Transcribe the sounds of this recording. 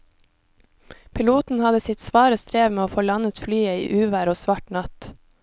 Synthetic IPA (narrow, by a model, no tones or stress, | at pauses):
pʰɪluːt̪n̩hɑd̪əsɪt̪sʋɑːɾəst̪ɾeːʋmeːoːfoːlɑnət̪flyːəḭːʔʉːʋæːɾoːsʋɑʈnɑt̪